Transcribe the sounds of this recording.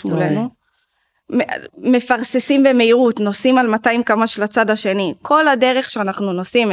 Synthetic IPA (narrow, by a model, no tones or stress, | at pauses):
ulenu | meme̞faʁsesimbe̞me̞iʁutno̞simalmataimkamaʃelat͡sadhaʃe̞nikʰo̞lade̞ʁe̞χʃeanaχnuno̞sim